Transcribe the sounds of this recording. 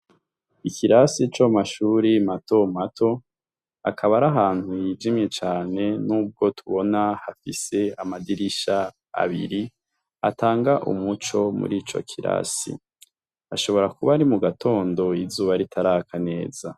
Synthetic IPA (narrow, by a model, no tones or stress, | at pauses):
ikʰiɾasit͡ʃomaʃuːɾimato̞matʰo̞ | a̰kʰaβaɾaɦaːnhujid͡ʒimɲe̞t͡ʃaːne̞nuːb̚ɡo̞tuβo̞nahafise̞amadiɾiʃa | a̰βḭɾi | ataːŋɡaʔṵmut͡ʃo̞mṵɾiːt͡ʃo̞̰kʰiɾa̰sḭ | aʃo̞βo̞ɾakuβaɾimuɡatʰo̞ːndo̞izuːβaɾitʰaɾakʰane̞ːz̥a